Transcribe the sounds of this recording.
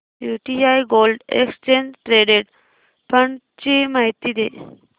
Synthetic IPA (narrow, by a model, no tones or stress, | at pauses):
juʈiajɡolɖḛkst͡ɕend͡ʑʈɾeɖeɽ | pəɳ | t͡ɕimaɦijt̪iːd̪e